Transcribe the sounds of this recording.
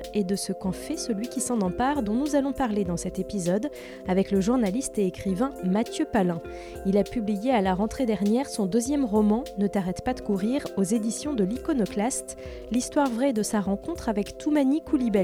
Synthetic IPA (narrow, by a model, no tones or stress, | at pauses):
ed̪əsəkɑ̃fɛsəlɥikʲisɑ̃nɑ̃paʁd̪ɔ̃nuzalɔ̃paʁled̪ɑ̃sɛt̪epizɔd̪ | avɛkləʒuʁnalist̪eːkχivɛ̃mat̪jøpalɛ̃ | ilapyblijealaʁɑ̃t̪χed̪ɛʁnjɛʁsɔ̃d̪øzjɛmʁɔmɑ̃nət̪aʁɛt̪pad̪əkuʁiʁozed̪isjɔ̃d̪əlikɔnɔklast̪ | list̪waʁvʁɛd̪əsaʁɑ̃kɔ̃t̪χavɛkt̪ʰumanikʰulibɛ